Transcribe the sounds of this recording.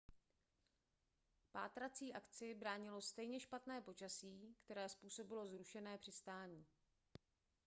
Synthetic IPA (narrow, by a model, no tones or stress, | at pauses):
pa̰ːt̪ɾat͡siːʔakt͡sɪbɾaːɲɪlo̞st̪ɛjɲɛʃpat̪nɛːpo̞t͡ʃasiːkt̪ɛɾɛːspuːso̞bɪlo̞zɾuʃɛnɛːpr̥ɪst̪aːɲiː